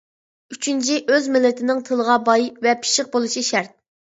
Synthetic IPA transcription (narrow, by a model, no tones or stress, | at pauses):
yt͡ʃʰynt͡ʃʰiʔøzmɪlːɪt̪ʰɪnɪŋt̪ʰɨlˠəʁɑbɑjvɛpʰi̥ʃɪq̚bolˠuʃiʃæɾt̪̚